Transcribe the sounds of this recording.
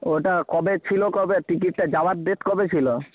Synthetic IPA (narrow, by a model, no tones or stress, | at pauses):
oʈakɔbet͡ɕʰilokɔbeʈik̬iʈːad͡ʑabat̪̚d̪et̪kɔbet͡ɕʰilo